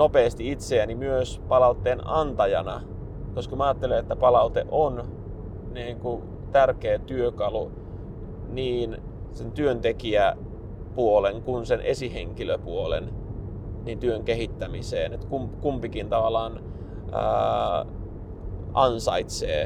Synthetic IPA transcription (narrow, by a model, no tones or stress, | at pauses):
nopeːst̪iit̪seænimyøspɑlɑut̪ːeːnɑnt̪ɑjɑ̰nɑ | koskɑmæɑːt̪ːelenet̪ːæpɑlɑut̪ḛʔon | niːŋku | t̪ærkeːt̪yøkɑlu | niːn | sent̪yønt̪ekiæ | puoleŋkunsenʔesiheŋkiløpuolḛn | niːnt̪yøŋkehit̪ːæmisḛːnet̪kumkumpikint̪ɑʋɑlɑːn̰ | ɑnsɑit̪sḛː